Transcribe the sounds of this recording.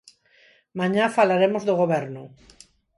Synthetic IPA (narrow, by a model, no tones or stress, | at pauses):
mãɲafalaɾemozðoɣoβeɾnʊ